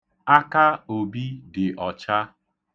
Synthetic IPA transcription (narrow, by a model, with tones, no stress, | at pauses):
a˦ka˦o˨bi˦dɪ˨ʔɔ˨t͡ʃa˦